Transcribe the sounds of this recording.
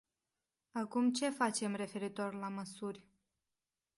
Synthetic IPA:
akumt͡ʃe̞fat͡ʃe̞mre̞fe̞ɾit̪o̞rlaməsurʲ

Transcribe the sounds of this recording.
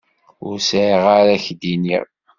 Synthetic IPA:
ʊ̰ɾsəʁaɾæçd̪inḭʁ

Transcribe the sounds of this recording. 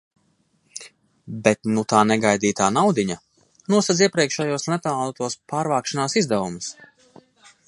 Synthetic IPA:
bɛt̪nut̪aːnɛɡajd̪iːt̪aːnawd̪iɲa | nuɔsat̪z̬iɛpɾiɛkʃɛjuɔslɛt̪aalˠt̪uɔspaːɾvaːkʃanaːsizd̪ɛvumus

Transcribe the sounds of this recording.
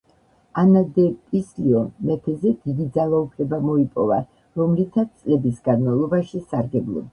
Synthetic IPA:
anad̪ɛpʼisliɔmɛt̪ʰɛzɛd̪̥id̪id̪zalˠaupʰlɛbamɔipʼɔ̰va̰ | ɾɔmlit̪ʰat̪st̪sʼlɛbisɡanmalˠɔbaʃisaɾɡɛblˠɔ̰ba

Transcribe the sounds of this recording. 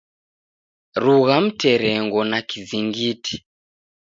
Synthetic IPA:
ruɣam̩tɛɾɛŋɡɔnakiziŋɡiːtʰi̥

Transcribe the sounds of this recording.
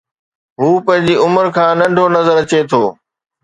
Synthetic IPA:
ɦuːpɐ̃ɦɪ̃ɲd͡ʑiːʊməɾkʰãːnɐ̃ɳɖʱonɐzəɾt͡ɕet̪ʰoː

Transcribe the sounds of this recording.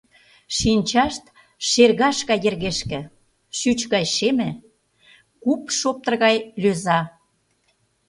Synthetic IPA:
ʃinʲt͡ɕɑʃt̪ | ʃerɣɑʃkɑjerɣeʃkĕ | ʃyt͡ɕɣɑjʃemɘ̆ | kupʃop̚t̪ə̆rɣɑjløzɑ

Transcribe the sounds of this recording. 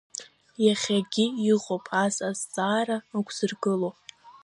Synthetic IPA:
jaχʲaɡʲiiʁʼopʼazazt͡sʼaːɾaakʷʰʼz̥ɨrɡɨlo

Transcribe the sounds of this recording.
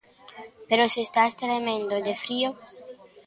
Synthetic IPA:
peɾosest̪ast̪ɾemẽnd̪od̪efɾio

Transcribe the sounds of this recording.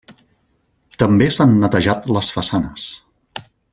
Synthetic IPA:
t̪əmbesanːət̪əʒat̪ləsfəsanəs

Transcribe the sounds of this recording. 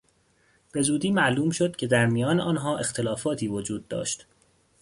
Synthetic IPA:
b̥e̞zuːd̪iːmæʔluːmʃod̪̥̚cʰe̞d̪æɾmijɒːneʔɒːnɦɒːʔe̞xt̪ʰe̞lɒːfɒːt̪ʰiːvod͡ʒuːd̪̚ːɒ̰ːʃt̪

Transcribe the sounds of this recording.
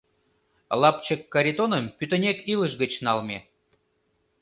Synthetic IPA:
lˠɑpt͡ɕəkːaɾʲit̪onəmpyt̪ə̆nʲekiləʒɡə̆t͡ɕnɑlˠmʲe

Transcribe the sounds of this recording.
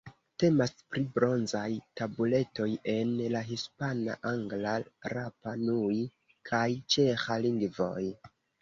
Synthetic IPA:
te̞maspɾibɾo̞nzajtabule̞to̞je̞nlaɦispana̰ʔaŋɡlaɾapanui | kʰajt͡ʃe̞xaliŋɡvo̞̰j

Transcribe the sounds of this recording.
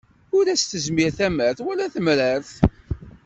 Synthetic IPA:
ʊɾæst̪əzmiɾθæməɾθwælæθəmɾəɾθ

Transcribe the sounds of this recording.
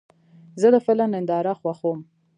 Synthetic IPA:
zələfɪlanɪnd̪ɑɾaxwaxom

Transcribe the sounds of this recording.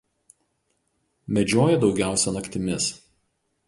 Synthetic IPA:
mʲɛd͡ʒʲoːjɛd̪ɒʊɡʲæˑʊsʲɛnɐkt̪ʲɪmʲɪs

